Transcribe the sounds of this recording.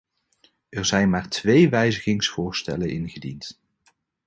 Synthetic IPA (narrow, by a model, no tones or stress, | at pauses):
ɛɹzɛjnmaːɹtʋejʋɛjzəɣɪŋsfʊːɹstɛ̰lənʔɪnχədḭnt